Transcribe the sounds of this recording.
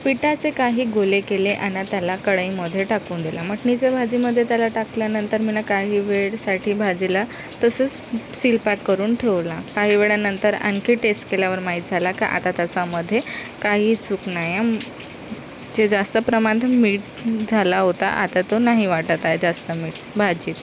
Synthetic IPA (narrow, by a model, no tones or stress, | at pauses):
piʈat͡sekaɦiːɡolekeleʔanːat̪jalakəɽəiməd̪ʱːjeʈakuːnd̪elam̤əʈnit͡sabʱad͡ziːməd̪ʱːjet̪jalaʈakljanənt̪əɾminakaɦiːʋeɭsaʈʰiːbʱad͡zila | t̪əsəːt͡ssilpakːəɾuːnʈʰeʋlakaɦiːʋeɭjanənt̪əɾa̰nkiʈesʈkeljaʋəɾmaɦiːt̪̚d͡zʱalaka̰ʔa̰t̪at̪asaməd̪ʱːjekaɦiːt͡suːknaja | d͡ʑed͡zast̪əpɾəmanmiːʈ̚ | d͡zʱalaɦot̪a̰ʔat̪at̪onaɦiʋaʈət̪ajed͡zast̪əmiːʈ̚ | bʱad͡ʑiːt̪